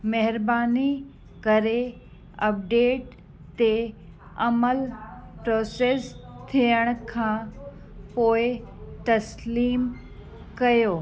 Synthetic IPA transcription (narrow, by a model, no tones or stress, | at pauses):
mɛɦɪɾbaːni | kɐɾe | ɐp̚ɖeːʈ | t̪e | ɐməlpɾoːseːst̪ʰijəɽ̃kʰãː | poːɪt̪ɐsliːm | kɐjoː